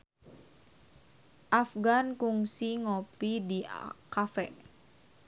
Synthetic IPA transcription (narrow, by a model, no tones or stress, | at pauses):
ʔafɡankuŋsiŋopidikafɛ